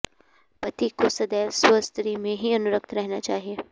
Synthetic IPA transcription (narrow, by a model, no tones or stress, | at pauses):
pɐt̪ikosɐd̪ɛːsəst̪ɾimẽɦiɐnʊɾək̚t̪ʰɾɛɦnat͡ʃaːɦie